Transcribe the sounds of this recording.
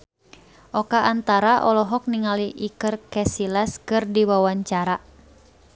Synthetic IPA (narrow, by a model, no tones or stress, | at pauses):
ʔɔkaʔːnt̪aɾaʔɔlɔɦɔk̚niŋaliʔikɨrkɛsilaskɨrdiwawaɲt͡ʃaɾa